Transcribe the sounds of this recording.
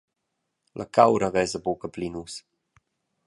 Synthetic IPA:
lʔakawɾavɛzəbokəplinus

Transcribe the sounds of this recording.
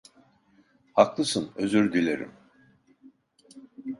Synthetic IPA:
haklˠɯsɯnø̞zyɾd̪ilʲeɾḭm

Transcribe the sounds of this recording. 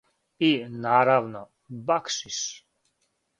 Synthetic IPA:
inaːɾavnɔ | bakʃis

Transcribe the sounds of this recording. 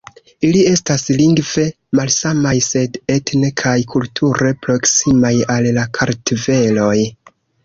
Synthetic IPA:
ilie̞stasliŋɡv̥e̞ | malsamajse̞detnekʰajkʰultʰuɾe̞pɾo̞ksimajallakʰaɾtive̞lo̞j

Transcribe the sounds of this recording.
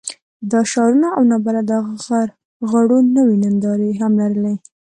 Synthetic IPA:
d̪ɑʃɑɾunaawnɑbalad̪əaɣaɣaɾ | ɣaɽunəwinɪnd̪ɑɾeɦamlaɾəle

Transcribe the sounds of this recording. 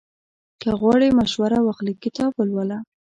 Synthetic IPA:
kəɣwɑɽemaʃwaɾawaxlikɪt̪ɑbəlwəla

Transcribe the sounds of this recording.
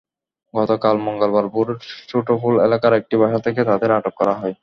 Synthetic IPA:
ɡɔt̪okalmɔŋɡolbaɾpuɾʃoʈofulḛlakaɾek̚ʈibaʃat̪ʰeket̪ad̪eɾaʈokːɔɾaɦɔe

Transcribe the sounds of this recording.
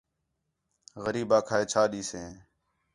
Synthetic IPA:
ɣəɾiːbãːkʰaːeːt͡ʃʰaːɗiːsẽː

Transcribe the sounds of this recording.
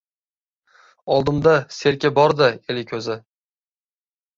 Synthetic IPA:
ɒlˠd̪ɪmd̪ase̞ɾkʲabɒɾd̪aelɪkʲʰɵzɪ

